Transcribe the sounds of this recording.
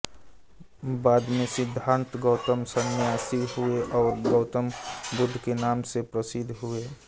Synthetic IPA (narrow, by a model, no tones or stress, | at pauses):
baːd̪mẽsɪd̪ʱːãːnt̪ɡəʊt̪əmsənjaːsiɦueʔɔːɾɡəʊt̪əmbʊd̪ʱːkenaːmsepɾəsɪd̪ʱɦʊeː